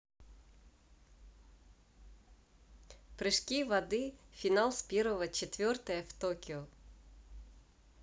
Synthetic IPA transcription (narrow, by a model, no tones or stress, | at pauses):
pɾɨʂkʲivɐd̪ɨfʲɪnalˠspʲeɾvəvət͡ɕɪt̪vʲort̪əjəft̪okʲɪɔ